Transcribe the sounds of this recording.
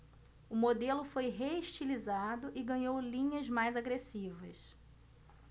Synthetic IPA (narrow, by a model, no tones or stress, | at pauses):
ʊmod̪elʊfojɦeiʃt͡ʃilizad̪ʊʔɪɡɐ̃ɲowlĩɲɐzmajzaɡɾesivɐs